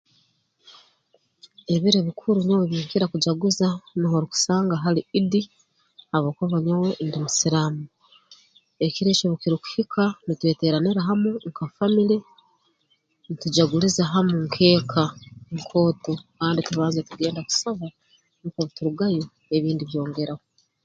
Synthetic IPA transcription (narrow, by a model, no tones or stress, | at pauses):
eβiɾeβikʰuɾuɲoweβiːkiɾakuɟaɡuzaniɦoɾiku̥saːŋɡaɦaliidi | haβoːkaβaɲawoʔindimusiɾaːmu | ekiɾeːt͡ʃoβukiɾoku̥hikʰanitwe̞ːteɾaniɾaɦamuŋkafamiɾe | nituɟaɡulizaɦamuŋkʰe̞ːkʰaŋkʰo̞ːtokaːndituβaːnzetuɡe̞ːndaku̥saβa | nikoβutuɾuɡajo | eβiːndiβjo̞ːŋɡe̞ɾaho